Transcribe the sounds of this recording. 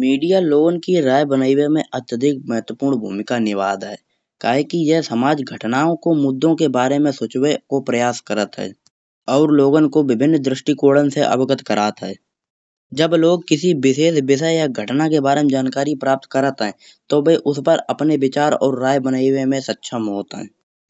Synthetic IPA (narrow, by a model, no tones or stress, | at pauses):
miːɖijaloːnkiɾaːjbənaːɪwemẽʔət̪jəd̪ʱɪk̚məɦət̪wəpuːɾnbʱṵːmɪkanɪʋaːd̪ɦɛ̰ː | kaːɦekijɛsəmaːd͡ʒɡʱəʈnaːõkomʊd̪ːõkebaːɾemẽsʊːt͡ʃwekopɾəjaːskəɾət̪ɦɛ̰ː | ɔːɾloːɡənkoʋɪbʱɪnːd̪ɾɪʃʈikoːɽənseʔɐ̰bɡət̪kəɾaːt̪ɦɛ̰ː | d͡ʒəbloːɡ̚kɪsibɪseːsbɪsəjaɡʱəʈnakebaːɾemẽd͡ʒaːnkaːɾipɾaːp̚t̪kəɾət̪ɦɛ̃ː | t̪obeʔʊspəɾəpneʋɪt͡ʃaːɾɔ̰ːɾːaːjbənaːɪwemẽsətːʃʰəmɦoːt̪ɦɛ̰̃ː